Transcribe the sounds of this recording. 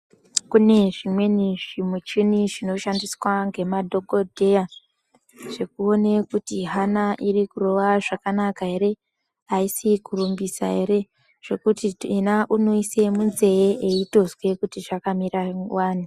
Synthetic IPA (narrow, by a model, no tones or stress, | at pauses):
kune̞ʐimwe̞niʐimut͡ʃiniʐino̞ʃandiswaŋɡe̞madʱo̞ɡo̞dʱe̞ja | ʐ̥e̞kuo̞ne̞kutiɦanaʔirikuro̞ʋaʐakanakaɦe̞ɾe̞ | aisikurumbisa̰ɦe̞ɾe̞ | ʐ̥e̞kutienaʔuno̞ise̞munze̞eʔeito̞zwe̞kutiʐakamiɾawaːn̤u